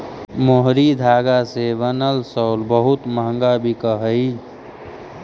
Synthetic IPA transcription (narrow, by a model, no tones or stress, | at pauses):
moɦɾid̪ʱaːɡasebənəlsəlbəɦut̪məɦə̃ŋɡabʱikəɦəi